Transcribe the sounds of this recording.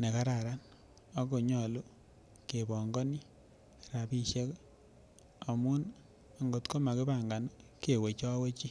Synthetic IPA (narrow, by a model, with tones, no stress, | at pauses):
ne˨ka˦ɾa˨ɾa˦n | a˦ko˨ɲɔ˨lu˦ | ke˨bɔ˨ŋɡɔ˦ni˦ | ɾa˨pi˦ʃe˦k | a˨mu˦n | a˨ŋɡo˨tko˦ma˨ke˦baŋɡa˨nke˨we˨t͡ʃɔ˦we˦t͡ʃi˦